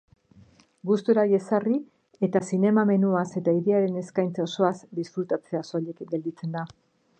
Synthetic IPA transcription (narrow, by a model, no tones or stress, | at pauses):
ɡust̪uɾaje̞sari | e̞t̪asine̞mame̞nuase̞t̪aiɾiaɾe̞ne̞skajnt͡saoso̞azd̪isfɾut̪at͡se̞asolʎekɡe̞ld̪it͡se̞nd̪a